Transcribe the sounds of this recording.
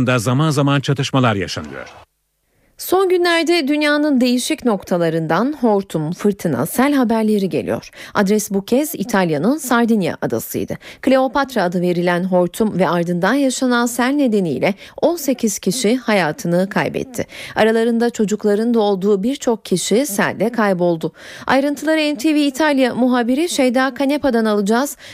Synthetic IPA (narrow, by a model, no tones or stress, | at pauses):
nd̪azamanzamant͡ʃʰat̪ʰɯʃmalˠaɾja̰ʃa̰nɯ̰jo̰ɾ̥ | so̞nɟynlʲæɾd̪ɛd̪ynjaːnɯnd̪e̞jiʃicno̞kt̪ʰalˠaɾɯnd̪anɦo̞ɾt̪ʰumfɯɾt̪ʰɯna̰sælʲɦabæɾlʲe̞ɾiɟe̞̰lʲḭjo̞̰ɾ̥ad̪ɾɛsbucʰɛzit̪ʰalʲjanɯnsaɾd̪inja̰ʔad̪a̰sɯ̰jd̪ɯkʰlʲe̞o̞pat̪ɾaːd̪ɯve̞ɾilʲænɦo̞ɾt̪ʰumvɛaɾd̪ɯnd̪anjaʃanansælʲne̞d̪e̞niːlʲɛo̞nse̞cʰiz̥cʰiʃihajaːt̪ʰɯnɯkʰa̰jbɛ̰t̪ʰːɪ̰aɾalˠaɾɯnd̪at͡ʃʰo̞d͡ʒuklˠaɾɯnd̪ao̞lˠd̪uːbiɾt͡ʃʰo̞k̚cʰiʃisæ̰lʲd̪ɛkʰajbo̞lˠd̪ʊ | a̰jɾɯnt̪ʰɯlˠaɾaɛnt̪ʰeviːt̪ʰalʲjamuɦaːbiɾiʃejd̪aːkʰanepad̪analˠɯd͡ʒaz̥